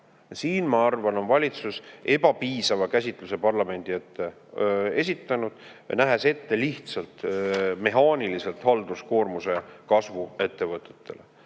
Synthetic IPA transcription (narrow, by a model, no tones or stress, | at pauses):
siːnmɑɑrvɑno̞nvɑlʲit̪suse̞b̥ɑpiːsɑvɑkæs̬ʲit̪ˑluse̞pɑrlɑme̞nʲd̪̥iet̪ːe̞ | e̞s̬ʲit̪ˑːɑnud̪̥ | næɦe̞se̞t̪ːe̞liht̪sɑlt̪me̞ɦɑːnilise̞lt̪hɑld̪̥usko̞ːrmuse̞kɑsvue̞t̪ːe̞vɤt̪ːˑe̥t̪ːe̞̰le̞̰